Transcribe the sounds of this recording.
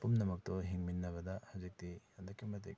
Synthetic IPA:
pumnɐmɐk̚tɔɦiŋminːɐβɐdɐhazik̚tijandɐkʰːimɐt̬ḛk̚

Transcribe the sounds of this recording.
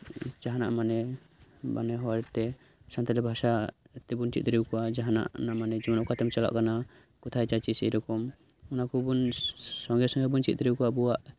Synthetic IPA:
d͡ʒaɦana̰ʔmanɛ | ba̰nɛɦɔwaɾɛt̪ɛ | sãnt̪alɛbʱasa | t̪ɛbunt͡ʃḭt̪̚dɾiwkɔwad͡ʒaɦana̰ʔnaʔmanɛd͡ʒɔmnɔʔkat̪ɛmt͡ʃala̰ʔkana | kɔt̪ʰajt͡ʃat͡ʃisɛ̰ɾɔkɔm | ɔnakubunsɔŋɡɛsɔ̃ŋɡɛbunt͡ʃit̪̚t̪ɾiwkɔwabuwaʔ

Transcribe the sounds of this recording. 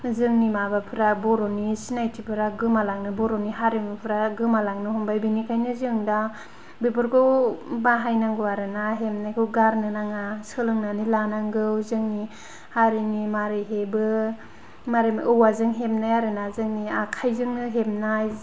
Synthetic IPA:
zɯŋnimabapʰɯɾabɔɾonisinajtʰipʰɯɾaɡɯmalaŋnɯbɔɾoniɦaɾiŋɯpʰɯɾaɡɯmalaŋnɯhɔmbajbinikʰajnɯzɯŋda | bɯbɯɾkʰɯbaɦajnaŋɡɯwaɾɯnaɦemnajkʰɯwɡaɾnɯnaŋasɯlɯŋnanilanaŋɡɯwzɯŋni | haɾinimaɾiɦebɯ | maɾimʔɯwazɯŋɦemnajaɾɯnazɯŋniakʰajzɯŋnɯɦemnaj

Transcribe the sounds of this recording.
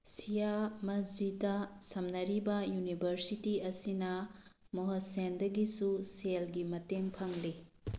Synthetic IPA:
sijamɐzitɐsɐmnɐɾibɐjunibʱɐɾsitiɐsinɐ | moɦɐsendɐɡisuselɡimɐteŋpʰɐŋli

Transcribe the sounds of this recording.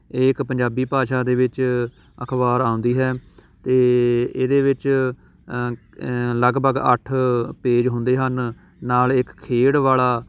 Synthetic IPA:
eːɪkpəɲd͡ʒaːbiːpaːʃaːd̪eːʋɪt͡ʃ | əkʰbaːɾaːʊ̃nd̪iːɦɛːt̪eːeːd̪eːʋɪt͡ʃ | ləɡbəɡə̰ʈʰpeːd͡ʒɦʊ̃nd̪eːɦənː | aːlɪkʰːeːɽʋaːlaː

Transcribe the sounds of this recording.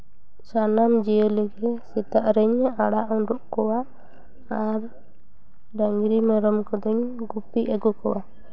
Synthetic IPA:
sanamd͡ʒɛjɔlɛɡɛsɛt̪aʔɾɛɲaɽaʔɔɳɖɔʔkɔwa | aɾ | ɖaŋɡɾimɛɾɔmkɔd̪ɔɲɡupiʔɛɡɔkɔwa

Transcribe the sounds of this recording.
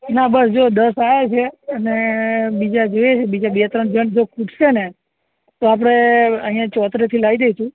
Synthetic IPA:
nabəsd͡ʒod̪əsajet͡ʃʰeənebid͡ʒad͡ʒojet͡ʃʰebid͡ʒabet̪ɾənd͡ʒənd͡ʒokʰuʈʃene | t̪oapɽ̃eəɦĩjãt͡ʃɔt̪ʰɾet̪ʰilaid̪eiʃũ

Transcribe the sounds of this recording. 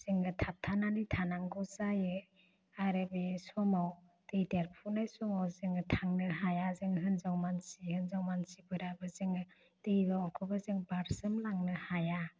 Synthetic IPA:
z̥ɯŋɡɯtʰap̚tʰananitʰanaŋɡɔzajɯ | aɾebesɔmaw | d̥ejdeɾpʰunajsɔmawzɯŋɯtʰaŋnɯɦajazɯŋɦɯnzawmansihɯnzawmansibɯɾabɯzɯŋɯ | dejdɔakʰɔbɯzɯŋbaɾsɯmlaŋnɯhaja

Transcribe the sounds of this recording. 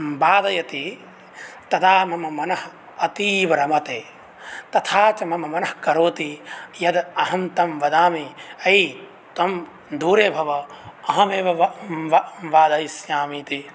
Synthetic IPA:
baːd̪ɐjɐt̪i | t̪ɐd̪aːmɐmɐmɐnɐɦ | ɐt̪iːʋɐɾɐmɐt̪eː | t̪ɐt̪ʰaːt͡ʃɐmɐmɐmɐnɐhkɐɾoːt̪ijɐd̪ɐɦɐmt̪ɐmʋɐd̪aːmiɐj | t̪ɐm | d̪uːɾeːbʱɐʋɐɐɦɐmeːʋɐʋʋaːd̪ɐjsjaːmiːt̪i

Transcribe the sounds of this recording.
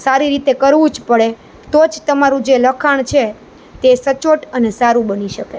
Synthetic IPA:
saɾiɾit̪ekəɾʋũd͡ʒpəɭe | t̪od͡ʒt̪əmaɾũd͡ʒeləkʰaɳ̃t͡ʃʰe | t̪esət͡ʃoʈənesaɾũbəniʃəke

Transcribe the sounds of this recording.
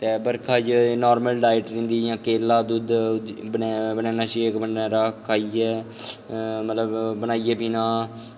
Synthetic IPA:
t̪eːbəɾkʰaːd͡ʒnoːɾməlɖaːɪʈɾɪ̃nd̪iːjãːkeːlaːd̪ud̪bəbənɛ̃ːnãːʃiːkbənɛɾaːkʰaːiːɛː | mət̪ləbbənaːiːɛːpiːnãː

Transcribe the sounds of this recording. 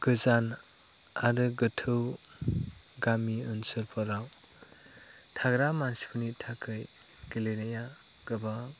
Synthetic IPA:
ɡ̥ɯzan | aɾɯɡɯtʰɯw | ɡamiɯnsɯlpʰɔɾaw | tʰaɡɾamansi̥pʰunitʰakʰɯj | ɡ̥ilenaja | ɡ̥ɯba

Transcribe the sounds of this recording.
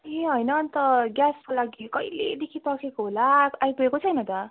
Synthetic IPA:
eɦʌjnʌnt̪ʌɡjaskolaɡikʌjled̪ekʰipʌkʰekoɦolaajpuekot͡sʰʌjnʌt̪ʌ

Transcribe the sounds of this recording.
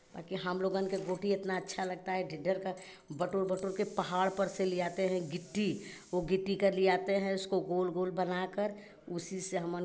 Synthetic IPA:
ba̰ːkiɦəmloːɡə̃nkeɡoːʈiɪt̪naɐtːʃʰalɐɡ̚t̪aɦɛɖʱɪɖːəɾka | bəʈoɾbəʈoɾkepɐɦaːɽpəɾseliaːt̪eɦɛ̃ɡɪʈːiʋoɡɪʈːikəɾlijaːt̪eɦɛ̃ʊskoɡoːlɡoːlbənakəɾ | ʊsiseɦɐmən

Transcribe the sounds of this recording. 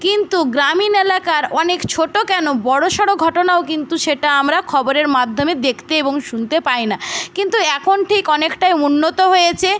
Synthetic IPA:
kint̪uɡɾaminelakaɾɔnekt͡ɕʰoʈokɛnobɔɽoʃɔɽoɡʱɔʈonaokint̪uʃeʈaamɾakʰɔboɾeɾmad̪ʱːomed̪ekʰt̪eeboŋʃunt̪epajnakint̪uɛkʰonʈʰikɔnekʈajunːot̪oɦojet͡ɕʰe

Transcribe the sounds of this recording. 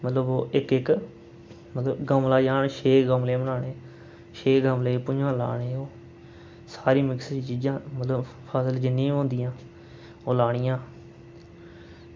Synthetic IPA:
mət̪ləboːʔɪkɪk | mət̪ləbɡəmlaːd͡ʒaːnʃeːɡəmleːmənaːɽeː | ʃeːɡəmleːpʊd͡ʒãːla̰ːɽeːoː | saːɾĩːmɪksɾt͡ʃiːd͡ʒãːmət̪ləbpʰəːsəld͡ʒɪnːĩːɦõːnd̪ɪjãː | oːlaːɽɪjãː

